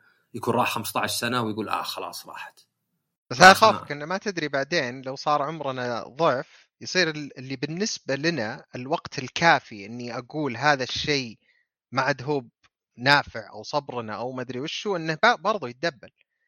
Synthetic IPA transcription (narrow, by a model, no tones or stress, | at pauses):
jakuːnɾˤɑːħxamst̪aʕaʃsanawjɡuːlʔa̰xɑlɑ̰ːsˤɾˤɑ̰ːħḁt̪ | b̥ashaðaxaːfakʔɪnːamat̪ɪd̪ɾibaʕd̪eːnlawsˤɑːɾˤʕʊmɾˤɑnaðˤʊʕf | jsˤiːɾɪlɪlːibɪnːɪsbalɪnaɪlwɑɡt̪ʰɪlkʰaːfiʔɪnːiʔaɡuːlɦaːðaʃːeː | maʔad̪ɦuːb̚ | naːfɪʕʔa̰wsˤɑbɾnaʔawmad̪ɾiwɪʃːuʔɪnːabbɑɾˤðˤujɪt̪̚d̪abːal